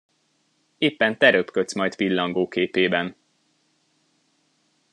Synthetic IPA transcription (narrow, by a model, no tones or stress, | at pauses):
eːpːɛnt̪ɛɾøpkøt̪smɒjt̪pilːɒŋɡoːkeːpeːbɛn